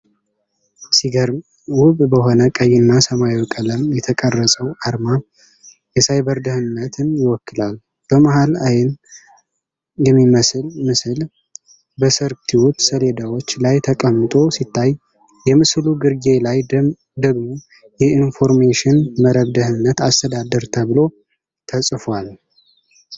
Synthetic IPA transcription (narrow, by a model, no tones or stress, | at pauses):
siɡəɾ | wʊβbəɦo̞nəkʼəjːɪnːasəmajwkʼələmjɛt̪ʰəkʼərːəsʼəwaɾma | jɛsajbəɾd̪əhɨnːət̪ʰɨnjɪwɔkːɨlal | b̥əmahalajɪn | jɛmːiməsɨlmɨsɨl | bəsəɾt̪ʰiwut̪səle̞d̪awo̞t͡ʃːlajt̪ʰəkʼəmːɨt̪ʼo̞sit̪ʰːaj | jɛmɨsluɡɨɾɡe̞laj | d̪əɡmo̞ | jɛinfo̞ɾmeʃɪnməɾəβd̪əhɨnːət̪ast̪ʰəd̪ad̪əɾt̪ʰəβɨlo̞ | t̪ʰəsʼfwal